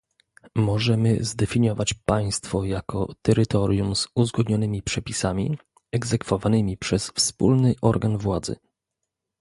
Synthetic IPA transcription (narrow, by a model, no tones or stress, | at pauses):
mɔʐɛmɘ̰zd̪ɛfʲiɲɔvat͡ɕpaj̃st̪fɔjakɔt̪ɛɾɘt̪ɔɾʲjumz̥uzɡɔd̪ɲɔnɘmʲipʂɛpʲisamʲḭ | ɛɡzɛkfɔvanɘmʲipʂɛsfspulnɘʔɔɾɡanvwad̪zɘ̰